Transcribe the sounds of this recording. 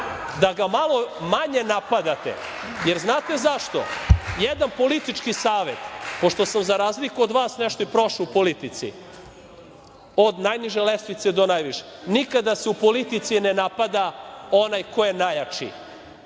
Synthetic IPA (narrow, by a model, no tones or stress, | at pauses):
d̪aɡamalˠo̞maɲenapad̪at̪ḛ | jeɾznaːt̪e̞zaʃt̪o̞̰jed̪anpo̞lit̪it͡ʃkisaːʋet̪po̞ʃt̪o̞samzaɾaːzlikuod̪ʋaːsneʃt̪oipɾoʃuupolit̪it̪sḭ | o̞d̪najniʒelest̪ʋit̪sed̪o̞najʋiʃenikad̪aseupolit̪it̪sinenapad̪ao̞najko̞jenajat͡ʃḭ